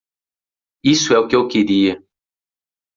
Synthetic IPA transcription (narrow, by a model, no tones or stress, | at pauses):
isʊɛʊkɪewkeɾiɐ